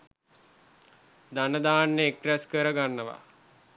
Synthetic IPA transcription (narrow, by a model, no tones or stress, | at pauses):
d̪anəd̪aːnːeekræskəɾəɡanːəʋa̰